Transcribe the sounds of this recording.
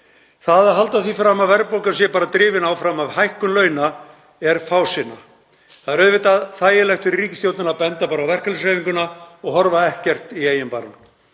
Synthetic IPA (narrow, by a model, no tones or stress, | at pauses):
θaðɛɾ̥ɦalt̪aθifɾamavvɛɾpowkans̬jɛpaːɾat̪ɾɪːvɪnawfɾamavhajhkʏnlœːɥna | ɛɾfaːwsɪna̰ | θaðɛɾœðvɪt̪aðθaːjɪlɛxt̪fɪɾɪrːiːcɪ̥st̪jowt̪nɪnapɛnt̪apaːɾawvɛr̥kalsajviŋkʏnaɔɣhɔɾvaɛhcɛr̥t̪ieːjɪmpaːɾan